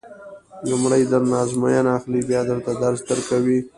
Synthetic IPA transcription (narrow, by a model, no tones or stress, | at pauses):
lumɽəjd̪əɾnɑzmajanaxlibjɑd̪əlt̪ad̪aɾsd̪əɾkawi